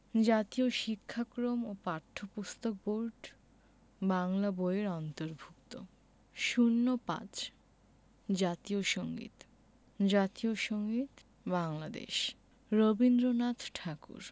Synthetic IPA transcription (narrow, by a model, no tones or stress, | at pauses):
d͡ʑat̪ioʃikʰːakɾomopaɾt̪ʰːopust̪ok̚boɾʈ | baŋlaboeɾɔnt̪oɾbʱukt̪o | ʃunːopã̰t͡ɕ | d͡ʑat̪ioʃoŋɡḭt̪ | d͡ʑat̪ioʃoŋɡit̪ | baŋlad̪ḛʃ | ɾobind̪ɾonat̪ʈʰakṵɾ